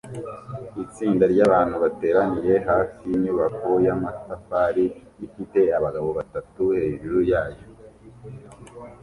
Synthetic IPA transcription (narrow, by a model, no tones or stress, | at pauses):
it͡siːndaɾɟaːβaːnhuβate̞ːɾanije̞ɦafiiɲuβakojamatafaɾi | ifite̞aβaɡaβo̞βatatuhe̞ʒuɾujaːjo